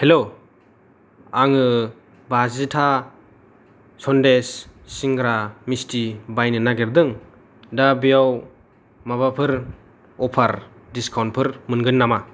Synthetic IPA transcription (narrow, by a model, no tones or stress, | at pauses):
helo | aŋɯ | bazitʰa | sɔndesːiŋɡɾamistibajnɯnaɡeɾdɯŋ | dabijaw | maβapʰɯɾ | ɔpʰaɾ | diskʰawntpʰɯɾmɯnɡɯnːama